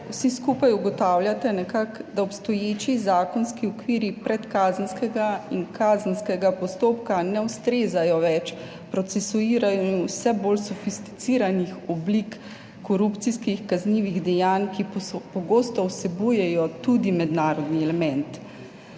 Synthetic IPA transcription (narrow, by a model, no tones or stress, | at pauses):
wsiskuːpajuɡɔt̪awlʲjat̪ɛnɛkakd̪aɔpst̪ɔjeːt͡ʃizaːkɔnskiɔkʋiːɾipɾɛt̪kaːzənskɛɡainkʰaːzənskɛɡapɔst̪oːpkanɛwst̪ɾeːzajɔʋɛt͡ʃ | pɾɔt̪sɛsuiːɾajɔinwsɛbolsɔfist̪i̥t̪siːɾanixɔblikː | ɔɾupt̪siskixkazniːʋiɣd̪ɛjaːnkipɔɡoːst̪ɔwsɛbujɛjɔt̪ud̪imɛd̪naːɾɔd̪niɛlɛmɛnt̪